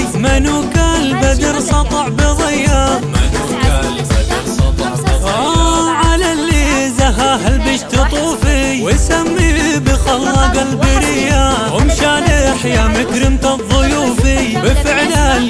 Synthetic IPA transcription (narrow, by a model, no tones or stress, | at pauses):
manukalbad̪ɪɾsˤɑt̪ˤɑʕbɪðˤɪjamanukalbad̪ɾsˤɑt̪ˤʕ | ʕalalːizaɦaɦalbɪʃt̪ɨt̪ˤuːfiwɪsamːibɪxɑlːɑɡalbɪɾɪja | ʊmʃalɪħjamɪkɾɪmt̪aðˤːʊjuːfibɪfɪʕlal